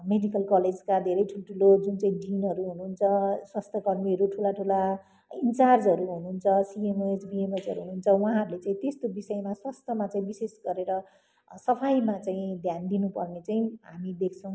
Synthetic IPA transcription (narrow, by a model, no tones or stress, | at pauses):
meɖikʌlkʌled͡zkad̪ʱeɾʌjʈʰulʈʰulod͡zunt͡saĩɖinʌɾuɦunuːnt͡sʰʌswast̪ʰʌkʌrmiʌɾuʈʰulaʈʰula | int͡sard͡zɦʌɾuɦunuːnt͡sʰʌsiemesbiemesʌɾuɦunuːnt͡sʰʌw̃aãɦʌɾulet͡saĩt̪est̪obisʌemaswast̪ʰʌmat͡saĩbisesɡʌɾeɾʌ | sʌpʰajmat͡saĩd̪ʱjand̪inupʌrnet͡saĩɦamid̪ekʰt͡sʰʌ̃w̃